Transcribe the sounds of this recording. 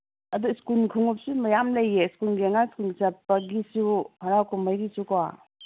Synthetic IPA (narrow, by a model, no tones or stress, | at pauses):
ɐduskulkʰuŋup̚sumɐjamlɐjːeskulɡiɐŋaskulsɐpːɐɡisuhɐɾawkʰumajɡisukwa̰